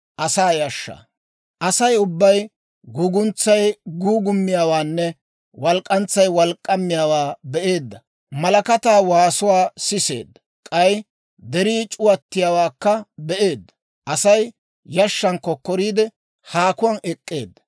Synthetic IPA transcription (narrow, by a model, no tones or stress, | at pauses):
ʔɐsaːjɐʃːa̰ː | ʔɐsɐjʊbːɐj | ɡuːɡʊnt͡sːɐjɡuːɡʊmːɪjaːwaːnːɛ | wɐlkʼːɐnt͡sːɐjwɐlkʼːɐmːɪjaːwaːbɛʔe̞ːd̪ːɐ | mɐlɐkɐt̪aːwaːsʊwaːsɪse̞̰ːd̪ːɐ̥ | kʼɐj | d̪ɛɾiːt͡ʃʼʊwɐt̪ːɪjaːwaːkːɐbɛʔeːd̪ːɐ̥ | ʔɐsɐj | jɐʃːɐnkːɔkːɔɾiːd̪ɛ | haːkʊwɐːnɛkʼːe̞̰ːd̪ːɐ̥